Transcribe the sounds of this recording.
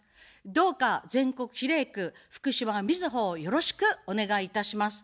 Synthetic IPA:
d̪o̞ːkazẽ̞ŋko̞kɯ̟̥çiɾe̞ːkɯ̟ɸɯ̥kɯ̟ɕiβamʲizɨɦo̞ːjo̞ɾo̞ɕi̥kɯ̟o̞ne̞ɡaiːt̪aɕimasɨ̥

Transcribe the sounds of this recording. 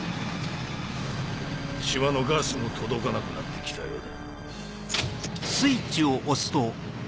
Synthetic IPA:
ɕiβano̞ɡaːsɨmo̞t̪ʰo̞d̪o̞kanakɯ̟nat̪ːe̞kʲi̥t̪a̰jo̞̰ːd̪a | sɨit͡ɕioʔosɨ̥t̪o̞

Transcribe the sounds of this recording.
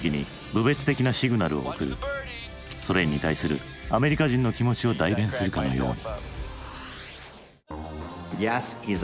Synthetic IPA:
kʲiɲ̟ḭ | bɯ̟be̞t͡sɨ̥t̪e̞kʲinaɕiɡɯnaɾɯ̟o̞̰ːkɯ̟ɾɯ̟̰ | so̞ɾe̞ɲ̟it̪aisɨɾɯ̟̰ | ame̞ɾʲikaʑĩnːo̞kʲimo̞t͡ɕio̞d̪aibẽ̞ɰ̃sɨɾɯ̟kano̞̰jo̞̰ːɲ̟i | jɛsiz

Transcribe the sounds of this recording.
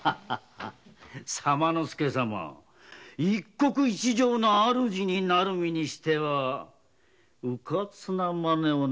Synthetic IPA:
samanosɨ̥ke̞sama̰ | ikːo̞kɯ̟it͡ɕiʑo̞ːnoaɾɯ̟ʑiɲ̟inaɾɯmʲiɲ̟iɕi̥t̪e̞βa | ɯkat͡sɨnamane̞o

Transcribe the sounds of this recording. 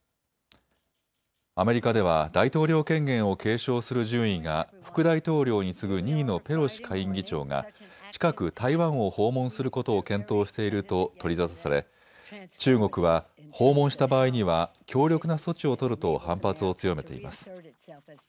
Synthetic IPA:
ame̞ɾʲikad̪e̞β̞ad̪ait̪o̞ːɾʲjo̞ːkẽ̞ŋɡẽ̞ɰ̃o̞kʰe̞ːɕo̞ːsɨɾɯʑɨ̃ɰ̃ĩŋŋɡa̰ɸɯ̟̥kɯ̟d̪ait̪o̞ːɾʲo̞ːɲ̟isɨɡɯ̟ɲiːno̞pe̞ɾo̞ɕi̥kʰaĩŋɡʲit͡ɕo̞̰ːŋa̰t͡ɕi̥kakɯ̟t̪ʰaiβãɰ̃o̞ho̞ːmõ̞ɰ̃sɨɾɯ̟kot̪o̞ːkẽ̞nt̪o̞ːɕi̥t̪e̞iɾɯ̟t̪o̞t̪o̞ɾʲizasasaɾe̞̰ | t͡ɕɨːŋo̞kɯ̟βa | ho̞ːmõɰ̃ɕi̥t̪abaːiɲ̟iβakʲo̞ːɾʲo̞kɯ̟naso̞t͡ɕio̞t̪o̞ɾɯ̟t̪o̞hãmpat͡sɨo̞t͡sɨjo̞me̞t̪e̞̰ḭma̰sɨ̥

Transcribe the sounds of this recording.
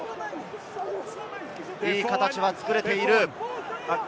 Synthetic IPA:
iːkat̪at͡ɕiβat͡sɨ̥kɯ̟ɾe̞t̪e̞iɾɯ̟

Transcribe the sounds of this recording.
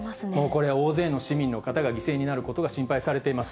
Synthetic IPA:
mo̞ːko̞ɾe̞βao̞ːze̞ːno̞ɕimʲĩnːo̞kat̪aɡaɡʲise̞ːɲ̟inaɾɯ̟ko̞t̪o̞ɡaɕĩmpaisaɾe̞t̪e̞imasɨ̥

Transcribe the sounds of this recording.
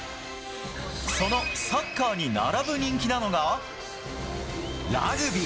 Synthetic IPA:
so̞no̞sakːaːɲ̟ina̰ɾabɯ̟ɲ̟ĩŋkʲinano̞ɡa | ɾa̰ɡɯ̟bʲi

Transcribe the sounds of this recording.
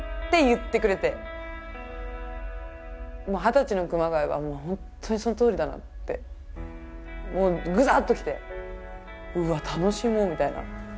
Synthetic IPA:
t̪ːe̞jɯ̟t̪ːe̞kɯ̟ɾe̞t̪e̞ | moːɦat̪at͡ɕino̞kɯ̟maɡaiβa̰moːhõnt̪ʰːo̞ɲ̟iso̞not̪oːɾʲid̪ana̰ | t̪ːe̞̰ | moːɡɯ̟zaːt̪ːo̞kʲi̥t̪e̞ | ɯ̟at̪ʰano̞ɕimoːmʲit̪aina̰

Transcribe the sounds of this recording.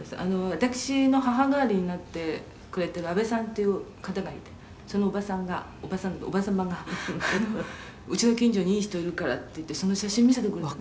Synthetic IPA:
sa̰no̞βat̪akɯ̟̥ɕino̞ɦaɦaɡaːɾʲiɲ̟inat̪ːe̞ | kɯɾe̞t̪e̞ɾɯ̟abe̞sãnt̪e̞jɯ̟kat̪aɡait̪e̞ | so̞no̞ːbasãŋɡa | obasãŋobasamaɡano | ɯt͡ɕino̞kʲĩɲ̟d͡ʑo̞ɲ̟iiːɕi̥t̪o̞iɾɯ̟kaɾa̰t̪ːe̞jɯ̟t̪ːe̞so̞no̞ɕaɕĩmːʲis̬et̪ekɯɾ

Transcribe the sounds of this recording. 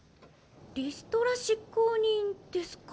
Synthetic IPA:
ɾʲisɨ̥t̪oɾaɕikːoɲĩnd̪̥esɨ̥k

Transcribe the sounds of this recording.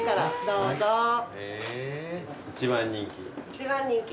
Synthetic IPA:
kaɾad̪oːzoe | it͡ɕiβãɲːĩŋkʲḭit͡ɕiβãɲːĩŋkʲi

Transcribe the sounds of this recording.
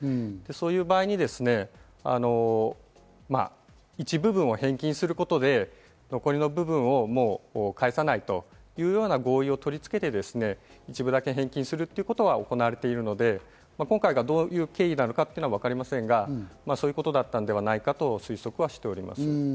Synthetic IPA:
d̪̥e̞so̞ːjɯ̟ːbaːiɲ̟id̪e̞sɨne̞ | a̰no̞ | ma̰ | it͡ɕibɯ̟bɯ̟̃ɰ̃o̞hẽ̞ŋkʲĩɰ̃sɨɾɯ̟ko̞t̪o̞d̪e̞ | no̞ko̞ɾɲʲino̞bɯ̟bɯ̟̃ɰ̃o̞mo̞ːoːkaesanait̪o̞jɯ̟ːjo̞ːnaɡo̞ːio̞t̪o̞ɾʲit͡sɨ̥ke̞t̪e̞d̪e̞sɨne̞it͡ɕibɯd̪ake̞ɦẽ̞ŋkʲĩɰ̃sɨɾɯt̪ːeiɯ̟ko̞t̪o̞ɡao̞ko̞naβaɾe̞t̪e̞iɾɯ̟no̞d̪e̞ | makoŋkaiɡad̪o̞ːjɯ̟ːke̞ːinano̞kat̪ːejɯnoaβakaɾʲimasẽ̞ŋɡamasoːjɯ̟ko̞t̪o̞d̪at̪ːand̪e̞βanaikat̪o̞sɨiso̞kɯ̟βaɕi̥t̪e̞o̞ɾʲima̰sɨ

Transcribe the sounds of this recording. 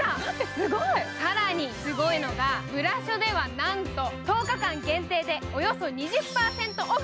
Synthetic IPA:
sɨɡoisaɾaɲ̟isɨɡo̞ino̞ɡamɯ̟ɾaɕo̞d̪e̞β̞anãnt̪o̞t̪o̞ːkakãŋɡẽ̞nt̪e̞ːd̪e̞o̞jo̞so̞ɲ̟iʑɨpːaːsẽ̞nt̪o̞ʔ

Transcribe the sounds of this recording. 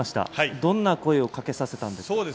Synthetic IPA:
aɕi̥t̪a̰haid̪õ̞nːako̞eo̞kake̞sase̞t̪ãnd̪esoːd̪e

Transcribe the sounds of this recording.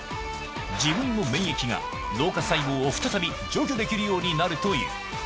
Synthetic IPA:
d͡ʑibɯ̟̃nːo̞mẽ̞ɰ̃jekʲiɡa̰ | no̞ːkasaiɡoːoɸɯ̥t̪at̪abʲi | d͡ʑo̞ːk̬ʲoːd̪e̞kʲiɾɯ̟jo̞ːɲ̟inaɾɯ̟t̪o̞ḭɯ̰

